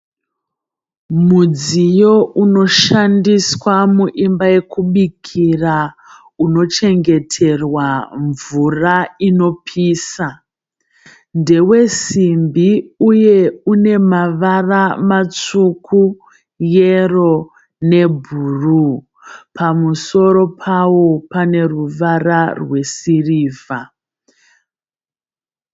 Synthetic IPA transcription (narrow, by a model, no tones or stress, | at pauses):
mud͡zijo̞ʔuno̞ʃandiswamuʔimbaje̞kuɓikʰira | uno̞t͡ʃe̞ŋɡe̞tʰe̞rwaɱvuraino̞pʰiːsa | nde̞we̞simbiuje̞une̞maʋaramat͡sukʰu | jero̞ | ne̞bʱuːru | pʰamuso̞ɾo̞pʰawo̞pane̞ruʋararwe̞siriːva